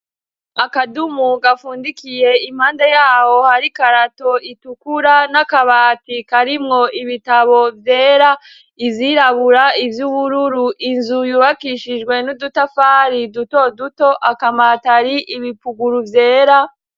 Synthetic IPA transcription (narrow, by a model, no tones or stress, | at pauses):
akadumuɡafuːndikije̞im̥haːndajaːho̞haɾikaɾato̞itukuɾanakaβaːtikaɾimŋo̞iβitaβo̞vje̞ːɾa | iziːɾaβuɾaivjuβuɾuɾuʔinzujuːβakiʃid͡ʒɡwe̞nudutafaːɾiduto̞duto̞ʔakamataɾiʔiβipuɡuɾuvje̞ːɾa